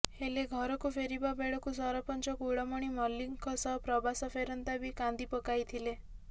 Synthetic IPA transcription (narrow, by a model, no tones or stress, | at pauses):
heleɡʱɔɾɔkupʰeɾibabeɭɔkusɔɾɔpɔnt͡ʃɔkuɽɔmɔɽ̃imɔlːiŋkʰɔsɔɦpɾɔbasɔpʰeɾɔnt̪abikand̪ipɔkajt̪ʰile